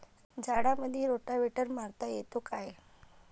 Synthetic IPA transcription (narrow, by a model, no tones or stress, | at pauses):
d͡zʱaɽaməd̪ʱjeɾoʈaʋeʈəɾmaɾt̪ajet̪okaj